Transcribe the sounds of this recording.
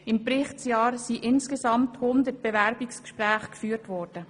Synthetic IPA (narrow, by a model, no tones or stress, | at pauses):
ɪmpɾɪχtsjɑːɾsiʔɪnskezɑmthʊnd̪ət̚b̥evɛɾbɪkskʃpræːχkfyːəɾtʋɔːrd̥ə